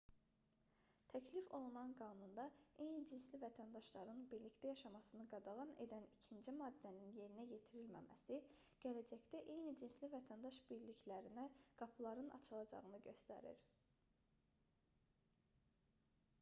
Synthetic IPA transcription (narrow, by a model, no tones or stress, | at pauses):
t̪ʰæcʰlifo̞lˠunɑnɡɑːnund̪ɑe̞jnid͡ʒinslivæt̪ʰænd̪ɑʃlˠɑɾɯnbiɾlict̪æjɑʃɑmɑsɯnɯɡɑd̪ɑʁɑne̞̰d̪ænicʰind͡ʒimɑːd̪ːæninje̞ɾinæje̞t̪ʰiɾilmæ̰mæ̰siɟ̥ælæd͡ʒæçt̪æʔe̞jnid͡ʒinslivæt̪ʰænd̪ɑʃb̥iɾliçlæɾinæɡ̥ɑpʰlˠɑɾɯnɑ̰t͡ʃʰɯlˠɑd͡ʒɑ̰ʁɯnɯɟø̞st̪æ̰ɾḭɾ